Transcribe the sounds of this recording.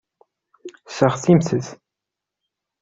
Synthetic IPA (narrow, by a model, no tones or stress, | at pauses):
səʁθimθəθ